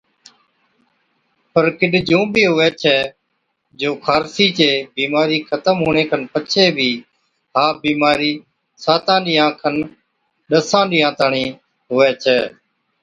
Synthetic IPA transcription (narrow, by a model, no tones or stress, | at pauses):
pəɾkɪɗd͡ʒũːbʱiːɦʊʋɛːt͡ʃʰɛː | d͡ʒoːkʰaːɾsiːt͡ʃeːbiːmaːɾiːkʰət̪əmɦoːɳ̃ẽːkʰənpət͡ʃʰeːbʱiː | ɦaːbiːmaːɾiː | saːt̪ãːɗɪjãːkʰən | ɗəsãːɗɪjãːt̪aɳĩː | ɦʊʋɛːt͡ʃʰɛː